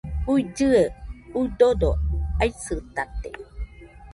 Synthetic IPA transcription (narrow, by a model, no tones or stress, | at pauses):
uid͡ʒɨeujdodoajsɨt̪at̪e